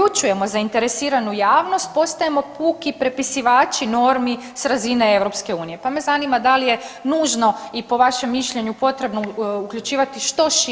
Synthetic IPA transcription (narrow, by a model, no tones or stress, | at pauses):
ut͡ʃuje̞mo̞zaint̪e̞ɾesiːɾanujaːʋno̞st̪̚po̞st̪ajemo̞puːkipɾe̞pisiʋaːt͡ʃino̞ɾmi | sɾazinee̞ʋɾo̞pske̞uːnije̞pame̞zanimad̪alije̞nuːʒno̞ipo̞ʋaʃe̞mːiʃʎe̞ɲupo̞t̪ɾe̞bnoukʎʲut͡ʃiːʋat̪iʃt̪o̞ʃ